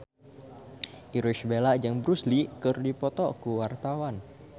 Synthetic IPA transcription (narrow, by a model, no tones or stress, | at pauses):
ʔiɾuʃbelad͡ʒaŋbɾuslikərdipɔt̪ɔkuwart̪awan